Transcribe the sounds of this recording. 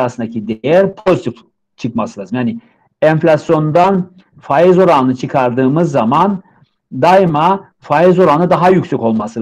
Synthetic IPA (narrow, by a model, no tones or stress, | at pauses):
asɯnd̪acʰid̪ejæɾpʰo̞zit̪ʰif | t͡ʃʰɯkmasɯlˠaːzɯmjaːni | ɛɱflʲasjo̞nd̪an | fajizo̞ɾanɯt͡ʃʰɯkʰaɾd̪ɯːmɯzːaman | d̪ajma | fajizo̞ɾanɯd̪aɦajycsɛko̞lˠmasɯlˠ